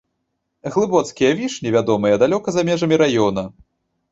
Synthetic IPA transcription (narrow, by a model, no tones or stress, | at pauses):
ɣlˠɨbɔt̪skʲijɐvʲiʂnʲɛvʲad̪ɔmɨjɐd̪alʲɔkɐzamʲɛʐɐmʲiɾajɔnɐ